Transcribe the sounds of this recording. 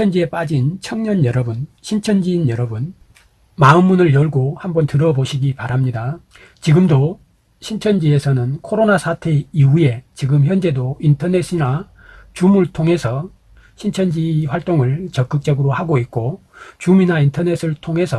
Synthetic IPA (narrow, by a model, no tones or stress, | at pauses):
ʌnd͡ʑie̞p͈ad͡ʑint͡ɕʰʌŋɲʌnjʌɾʌbunɕʰint͡ɕʰʌnd͡ʑiːnjʌɾʌbun | maɯmːunɯɭjʌɭɡohambʌntɯɾʌboɕʰiɡipaɾamɲida | t͡ɕiɡɯmdo | ɕʰint͡ɕʰʌnd͡ʑie̞sʰʌnɯnkʰoɾonasʰatʰe̞iue̞t͡ɕiɡɯmçjʌnd͡ʑe̞dointʰʌne̞s͈ina | t͡ɕumuɭtʰoŋɦe̞sʰʌ | ɕʰint͡ɕʰʌnd͡ʑiɸwaɭt͈oŋɯɭt͡ɕʌk͈ɯk̚t͡ɕ͈ʌɡɯɾohaɡoit̚k͈ot͡ɕuminaintʰʌne̞s͈ɯɭtʰoŋɦe̞sʰʌ